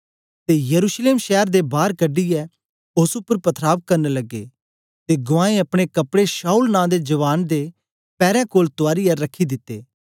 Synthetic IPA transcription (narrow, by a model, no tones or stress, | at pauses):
t̪ejɐɾuːʃleːmʃɛːəɾd̪ebaːɾkɐɖiɛ | ʊsʊpːəɾpɐt̪ʰɾaːb̚kɐɾnelɐɡːḛː | t̪eɡʊʋãːẽɐpɽ̃ekɐpɽeʃaːulnãːd̪ed͡ʒɐʋaːnd̪e | pɛːɾɛ̃koːlt̪ʊaːɾijɛɾɐkʰːid̪ɪt̪ːeː